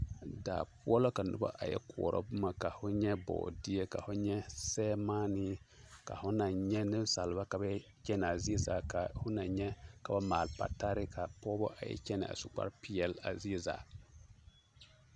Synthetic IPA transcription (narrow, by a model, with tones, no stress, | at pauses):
daː˨pʊ˦ɔ˦lo˦ka˨nʊ̰˦ba̰˦ʔa˨jɛ̰˦ku˨ɔ˨ɾɔ̰˦bʊ˦ma˨ka˨hʊ˦ɲɛ˦bɔ̰ː˨di˦e˦ka˨fʊ˦ɲɛ˦sɛː˦ma˦ni˦ka̰˨hʊ˦na˨ɲɛ˦nɨ˦m˦sa˨lba˦ka˨ba˦ | t͡ʃɛ˦n˨a˨zi˦e˦zaː˨ka˨hʊ˦na˨ɲɛ˦ka˨ba˦maː˨lpa̰˨ta˦ɾɪ˦ka˨pɔː˦bɔ˦ʔa˨jɛ̰˦t͡ʃɛ˦nɪ̰˨a̰˨sʊ˨k͡pa̰˦ɾpi˦jɛ˨la̰˨zi˦e˦za̰ː˨